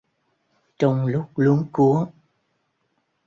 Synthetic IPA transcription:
t͡ɕɔ˧wŋ͡mlʊ˦˥k͡p̚lu˨˦əŋku˨˦ə

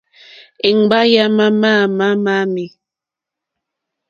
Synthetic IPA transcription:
i˨ŋ˨ba˦ja˦ma˦maː˦˨ma˦ma˦mi˨

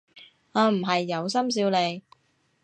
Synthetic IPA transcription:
aː˨˧m̩˨˩ɦɐ˨jːɐ˨˧wsɐ˥ms̬iː˧wle˨˧j

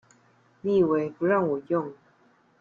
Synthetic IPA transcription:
ni˥˩˨we˧˦ɪpu˨˦ɻɑ˥˨ŋwɔ˨˩jʊ˥˨ŋ

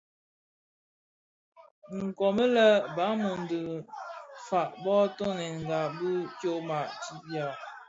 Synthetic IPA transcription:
ŋ̩˨kɔ˨mə˦lə˦ba˨˦mu˨n˨də˨ | fa˨ʔbɔ˦to˦nɛ˨nŋ˨ɡa˨bə˦t͡ʃjo˦ʔma˨ʔti˦ʔja˦˨

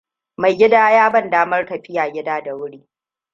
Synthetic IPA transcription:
ma˨jɡʲɪ˦daː˦jaː˦bɐ˦˨ndaː˦mɐ˦rtɐ˨ɸɪ˦jaː˨ɡʲɪ˦daː˦da˨wʊ˦ɽiː˦

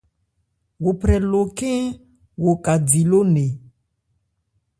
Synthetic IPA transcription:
wo˨pɾɛ˨lo˨kẽ˦ | wo˨ka˨di˨lo˦ne˨

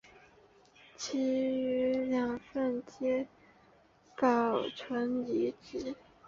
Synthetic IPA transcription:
t͡ɕʰi˧˥y˧˥˧ljɑ˨˩ŋfə˥˧nt͡ɕjɛ˥ | kɑ˨˩ʊʈ͡ʂʰwə˧˥ni˧˥ʈ͡ʂɻ̩˧˥

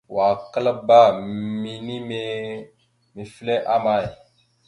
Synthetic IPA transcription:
wa˨kə˦la˦ba˦˨mi˦ni˦me˦ | mi˨flɛ˦ʔa˦ma˦˨e˨

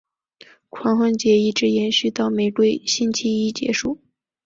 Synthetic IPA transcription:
kʰwɑ˧˥ŋxwə˥ŋt͡ɕjɛ˧˥i˥˩ʈ͡ʂɻ̩˧˥jɛ˧˥nɕy˥˧t̪ɑ˥˩ʊme˨˩ɪt̪we˥˩ɪɕi˥nt͡ɕʰi˥i˥t͡ɕjɛ̰˧˥ʂu˥˩

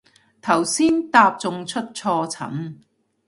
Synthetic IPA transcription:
t̪ʰɐ˨˩wsiː˥nt̪aː˧p̚t͡sʊ˨ŋt͡ʃʰɵ˥t̚t͡sʰɔː˧t͡sʰɐ̰˨˥m

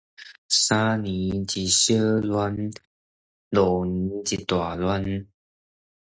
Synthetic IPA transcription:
sa˦ni˨˦t͡ɕi˨˩ɕə˦lwa˦n | lo˨˩n˧˦t͡ɕi˨t̪wa˨˩lwa˦n

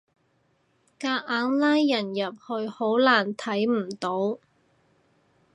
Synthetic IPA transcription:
kaː˧ʔaː˨˥ŋlaː˥jːɐ˨˩njɐ˨p̚hɵ˧ɥho˨˥wlaː˨˩nt̪ʰɐ˨˥jm̩˨˩t̪o˨˥w

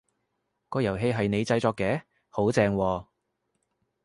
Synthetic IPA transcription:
kɔː˧jɐ˨˩wɦe˧jɦɐ˨jne˨˧jt͡sɐ˧jt͡sɔː˧kːɛː˨˥ | ho˨˥wt͡sɛː˧ŋwɔː˧

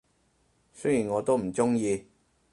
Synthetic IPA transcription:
sɵ˥jiː˨˩nŋɔː˨˧t̪o˥wm̩˨˩t͡sʊ˥ŋjiː˧

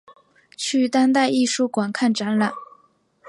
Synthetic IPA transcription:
t͡ɕʰy˥˩t̪a˥nt̪a˥˧ɪi˥˧ʂu˥˩kwa˨˩nkʰa˥˩nʈ͡ʂa˧˥nla˨˩˦n

